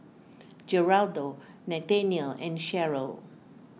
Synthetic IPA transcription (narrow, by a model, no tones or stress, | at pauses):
d͡ʒəɹaldo | nɛtɛ̃niəlɛ̃nʃɛɹəl